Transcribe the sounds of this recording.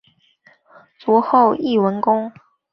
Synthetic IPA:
t͡swɔ˧˥xo˥˩˧ʊi˥˩wə˧˦˥nkʊ˥ŋ

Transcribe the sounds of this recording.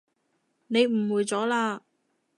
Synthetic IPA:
ne˨˧jm̩˨˩wuː˨˧jt͡sɔː˨˥laː˧

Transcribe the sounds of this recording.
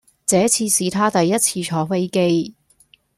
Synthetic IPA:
t͡sɛː˨˥t͡sʰiː˧siː˨˧t̪ʰaː˥t̪ɐ˨jːɐ˥t̚t͡sʰiː˧t͡ʃʰɔː˨˥fe˥jke˥j

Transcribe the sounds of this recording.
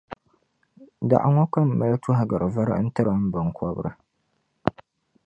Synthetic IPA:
da̰˨ʔa̰˨ŋɔ˦ka˦mː˨a˦ltu˦ɦa˨ɡa˨ɾɨ˨va˦ɾɨ̰˦n̩˦tɨ˦ɾɨ˨˦m̩˦bɨ˨ŋkʰɔ˦b̰ɾɨ̰˨

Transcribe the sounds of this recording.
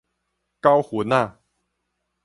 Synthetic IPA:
ka˦wxu˨˦na˥˨

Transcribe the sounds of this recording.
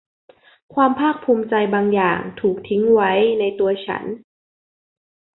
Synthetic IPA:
kʰwaː˧mpʰaː˥˩k̚pʰuː˧mt͡ɕa˧jbaː˧ŋjaː˨˩ŋt̪ʰuː˨˩k̚t̪ʰi˦˥ŋwa˦˥jna˧jt̪u˧ɐt͡ɕʰa̰˦˥n

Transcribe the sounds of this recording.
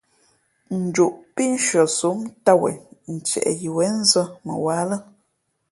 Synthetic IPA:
n̩˨d͡ʒu˨ʔpi˦n̩˦ʃɥɔ˨su˨˦mta˦˨wḛ˨n̩˨t͡ʃɛ̰˨ʔji˨wɛ˨˦n̩˦zə˦mə̰˨wa˨˦lə˦

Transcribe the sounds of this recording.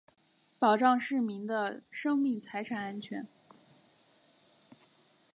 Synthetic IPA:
pɑ˨˩ʊʈ͡ʂɑ˥˧ŋʂɻ̩˥˩mi˧˥ŋd̪ə˧ʂɤ˥ŋmi˥˩ŋt͡sʰa˧˥ɪʈ͡ʂʰa˨˩na˥nt͡ɕʰɥɛ̰˧˥n

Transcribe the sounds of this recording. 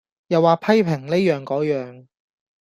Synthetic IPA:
jɐ˨waː˨pʰɐ˥jpʰɪ˨˩ŋle˥jœː˨˧ŋkɔː˨˥jœː˨˧ŋ

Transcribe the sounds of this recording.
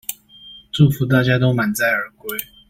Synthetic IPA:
ʈ͡ʂu˥˩fu˨˥t̪̬a˥˩t͡ɕja˥t̪o˥ʊma˨˥nt͡sa˥˩ɪə˞˨˧˥kwe˥ɪ

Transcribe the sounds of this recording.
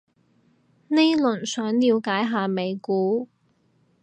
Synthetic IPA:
ne˥jlɵ˨˩nsœː˨˥ŋliː˨˧wkaː˨˥jɦaː˨˧me˨˧jkuː˨˥

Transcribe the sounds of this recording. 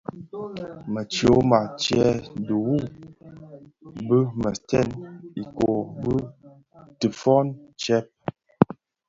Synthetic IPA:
mə˨t͡ʃo˨˦ma˨t͡ʃɛ˦du˨wu˦˨ | bə˦mə˨tɛ˦˨ni˨ko˨bə˦ | tə˨fɔ˦nt͡ʃɛ˦p̚

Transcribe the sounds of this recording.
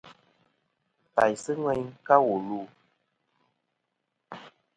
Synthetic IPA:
pa˨jsɨ˦ŋwɛ˦ɲka˦wu˨luː˦˨

